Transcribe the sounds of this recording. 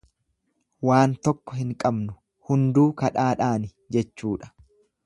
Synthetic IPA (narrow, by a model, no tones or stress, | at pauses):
waːnt̪ɔkːɔɦɪŋkʼɐbnʊ̥ | hʊnd̪uːkɐᶑaːᶑaːnɪ | d͡ʒɛt͡ʃːuːᶑɐ̥